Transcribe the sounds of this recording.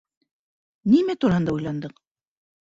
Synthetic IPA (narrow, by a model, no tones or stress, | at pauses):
nimæt̪uɾɑhɤnd̪ɑujlˠɑnd̪ɤq